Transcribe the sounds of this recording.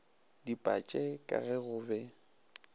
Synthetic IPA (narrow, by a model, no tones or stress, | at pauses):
dipʼat͡ʃʼɛkʼa̰ɣɛɣʊːbɛ